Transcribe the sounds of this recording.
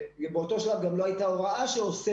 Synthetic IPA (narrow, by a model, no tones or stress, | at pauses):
beot̪o̞ʃalavɡamloajtaoʁaʔaʃeose